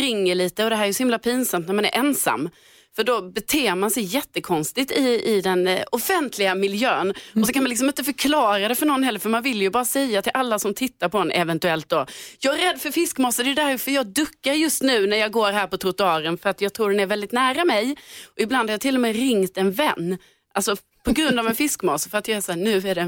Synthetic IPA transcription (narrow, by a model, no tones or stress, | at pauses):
ɾɪŋːəɭiːt̪əɔd̪ɛɦæɾɛjsɔhɪmlapʰiːnsamt̪næɾmanæ̰ɾʔɛnsa̰mː | fœɖɔbɛt̪ʰeːmansɛjːɛt̪ːəkʰɔnst̪ɪɡt̪ɪɪd̪ɛnɔfɛnt̪ʰlɪɡamɪljøːnɔsɔkʰanmanlɪks̬ɔmɪnt̪əfœɾkʰlɑːɾad̪ɛfœɳɔnːhɛlːəɾfœɾmanvɪlːjɵbɑːɾasɛjːat̪ʰɪlʔalːasɔmt̪ʰɪt̪ːaɾpʰɔɛnʔɛ̰vɛnt̪ʉɛlt̪̚d̪ɔjɑːɡæɾɛd̪ːfœɾfɪskmɑːsad̪ɛjʉd̪æɾfœɾjɑːd̪ɵkːaɾjɵst̪nʉ̟ːnæɾjɑːɡoːɾɦæːɾpɔt̪ʰɾʊt̪ʊɑːɾənfœɾat̪jɑːɡ̚t̪ʰɾuːɖɛnæɾvɛld̪ɪt̪næːɾamɛjʔɔɪbland̪haɾjɑːt̪ʰɪlːɔmɛɾɪŋt̪ɛnvɛnː | ʔalsɔ | pʰɔɡɾɵnd̪avɛnfɪskmɑːsfœɾat̪jɑːɛsaːnʉ̟ːæɖɛ